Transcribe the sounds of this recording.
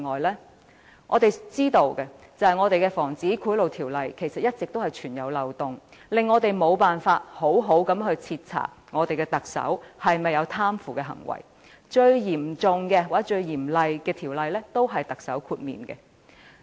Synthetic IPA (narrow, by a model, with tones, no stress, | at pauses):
ŋɔː˨˩jlɛː˥ | ŋʔɔ̰ː˨˧t̪e˨jt͡siː˥t̪o˨˧wkɛ˧ | t͡sɐ˨˧hɐ˨jŋɔː˨˧t̪e˨jkɛ˧fɔː˨˩ŋt͡siː˨˥kʰuː˨˥jlo˨˩wt̪ʰiː˨˩wlɐ˨jkʰe˨˩jsɐ˨t̚jɐ˥t̚t͡sɪ˨k̚t̪o˥whɐ˨jt͡ʃʰyː˨˩njɐ˨˧wlɐ˨wt̪ʊ˨ŋlɪ˨ŋːɔː˨˧t̪e˨jmo˨˧wpaː˨nfaː˧t̚ho˨˥wɦo˨˥wkɐ˨˥mɦɵ˧ɥt͡sʰiː˧t̚t͡sʰa̰ː˨˩t̚ŋɔː˨˧t̪e˨jkɛː˧t̪ɐ˨k̚sɐ̰˨˥whɐ˨jmɐ˨jɐ˨˧wt̪ʰaː˥mfuː˨kɛː˧ɦɐ̰˨˩ŋwɐ̰˨˩j | t͡ʃɵ˧ɥjiː˨˩mt͡sʊ˨ŋkɛː˧waː˨˥t͡ʃɵ˧ɥjiː˨˩mlɐ˨jkɛː˧t̪ʰiː˨˩wlɐ˨jlɛː˥t̪o˥wɦɐ˨jt̪ɐ˨k̚sɐ˨˥wkʰuː˧t̚mḭː˨nkɛ̰˧